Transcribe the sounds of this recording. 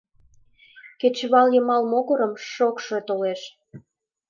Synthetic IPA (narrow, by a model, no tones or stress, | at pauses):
ket͡ɕβɑljəmɑlmoɣɤ̆ɾə̆mʃokʃe̽t̪oleʃ